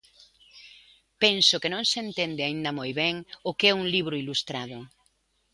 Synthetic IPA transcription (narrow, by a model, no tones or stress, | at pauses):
pɛnsʊkenõŋsent̪end̪ɪaĩnd̪ɐmojβɛŋʊkeɛuŋliβ̞ɾʊilust̪ɾaðʊ